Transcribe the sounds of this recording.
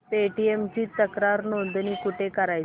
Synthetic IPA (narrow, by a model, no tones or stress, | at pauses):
peʈiemt͡ɕiːt̪əkɾaɾnond̪niːkuʈʰekəɾaj